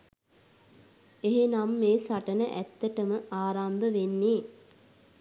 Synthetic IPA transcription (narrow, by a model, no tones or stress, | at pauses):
eɦenamːeːsaʈənəʔæ̰t̪ːəʈəməʔaːɾambəʋenːeː